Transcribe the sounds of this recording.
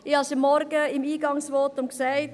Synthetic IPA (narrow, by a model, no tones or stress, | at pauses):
ɪhɑsəmːɔɾɡəɪmiːɡɑŋsʋɔːtʊmksaɪt